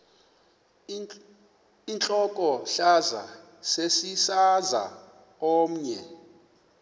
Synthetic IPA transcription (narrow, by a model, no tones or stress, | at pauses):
int͡ɬʼɔkʼɔɬaza̰ | sesisaza̰ | oːm̩ɲɛ